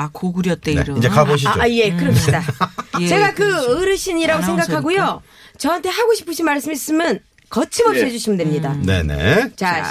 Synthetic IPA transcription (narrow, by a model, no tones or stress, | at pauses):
akoɡɯɾjʌt̚t͈eɾʌid͡ʑekaboɕ̬ʰioje̞kɯɾʌɕʰidat͡ɕe̞ɡakɯɯɾɯɕʰiɲiɾaɡosʰe̞ŋɡakʰaɡojo | t͡ɕʌɦantʰe̞ɦaɡoɕʰi̥pʰɯɕʰinmaɭs͈ɯmis͈ɯmjʌn | kʌt͡ɕʰimʌp̚ɕ͈iɦed͡ʑuɕʰimɯndemɲidane̞̰nḛt͡ɕa